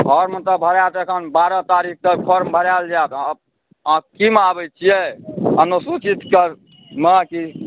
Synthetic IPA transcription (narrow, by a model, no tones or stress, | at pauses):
ɔɾmət̪əbʱəɾat̪ekʰənbaɾət̪aɾik̚ʰt̪əɾpʰəɾmbʱəɾald͡ʒat̪ | kimabɛt͡ʃʰijeənusut͡ʃit̪kəɾ | məki